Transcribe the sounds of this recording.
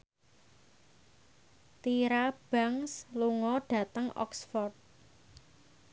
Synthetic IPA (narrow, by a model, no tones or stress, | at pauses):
t̪iɾab̥aŋsluŋɔɖ̥ä̤t̪əŋɔ̰ksfɔrt̪̚